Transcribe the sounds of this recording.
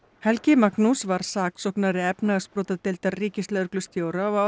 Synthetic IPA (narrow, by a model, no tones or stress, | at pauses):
hɛlcɪmaknusvaɾ̥saːksɔknaɾɪɛpnaɣspɾɔːt̪at̪ɪlt̪aɾriːcɪst̪ɛœɾklʏst̪joːwɾaɔa